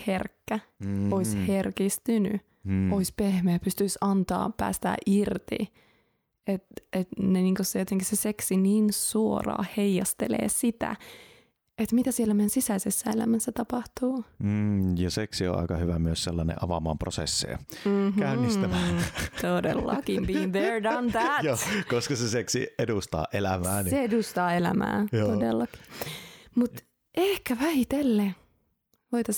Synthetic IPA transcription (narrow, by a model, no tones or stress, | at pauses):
herkːæoisherkist̪yny̰ | oispehmeːpyst̪yisɑnt̪ɑ̰ːpæ̰ːst̪æ̰ːʔirt̪ḭ | et̪et̪neniːŋkossejot̪eŋkiseseksiniːnsuo̰rɑ̰ːheijɑst̪elḛːsit̪æ̰ | et̪mit̪æsielːæmejænsisæisesːæelæ̰mæsːæt̪ɑpɑht̪uː | jɑseksio̰ʔɑ̰ikɑhyʋæmyøsselːɑnḛʔɑʋɑmɑːmprosḛsːḛːm̩kæynːist̪ææt̪odḛlːɑ̰kimbiːŋðeɹdɑnðætjoːkoskɑseseksḭedust̪ɑ̰ːʔelæmæːniseedust̪ɑːelæ̰mæ̰ːodelːɑki̥ | mut̪ | ʔehkæʋæhit̪elːe | ʋoit̪ɑs